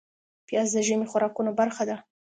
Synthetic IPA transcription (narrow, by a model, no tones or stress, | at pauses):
pjɑzd̪əʒəmixʊɾɑkunobaɾxad̪a